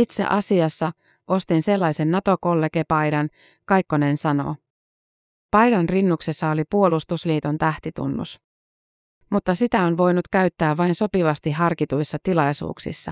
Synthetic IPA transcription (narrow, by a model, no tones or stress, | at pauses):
it̪se̞̰ʔɑsiɑsːɑ | ʔo̞st̪inse̞lːɑjsenːɑt̪o̞ko̞lːe̞ke̞pɑjdɑn | kɑjkːone̞nsɑno̞̰ | pɑjdɑnrinːukse̞sːɑo̞lipuo̞lust̪usliːt̪o̞nt̪æht̪it̪ṵnːṵs | mut̪ːɑsit̪æonʋo̞jnut̪kæɥt̪ːæːʋʋɑjnso̞piʋɑst̪iɦɑrkit̪ujsːɑt̪ilɑjsṵːksḭsːɑ̰